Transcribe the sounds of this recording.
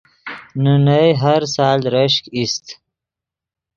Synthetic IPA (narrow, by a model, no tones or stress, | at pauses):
nunəjɦaɾsɑːlɾəʃkist̪